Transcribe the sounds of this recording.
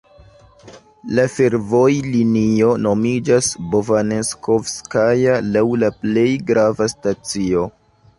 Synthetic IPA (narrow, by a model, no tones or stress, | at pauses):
lafe̞ɾvo̞jlinio̞no̞mid͡ʒasbovaneskofskajalawlaple̞jɡɾavastat͡sio̞